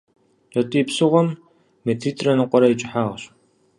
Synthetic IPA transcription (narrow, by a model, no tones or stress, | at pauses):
ɐtʼiːpsɨʁʷɔmː | etʰiːtʼrɐnɨqʷʼɔɾɐit͡ʃʼɪħaːʁɕ